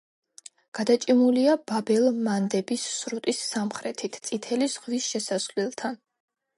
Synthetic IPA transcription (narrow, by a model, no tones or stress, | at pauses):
ɡ̥ad̪at͡ʃʼimuliababɛlˠmand̪ɛbisːɾut̪ʼisːamχɾɛt̪ʰit̪ʰt̪sʼit̪ʰɛlizʁvisʃɛsaslɛlˠt̪ʰan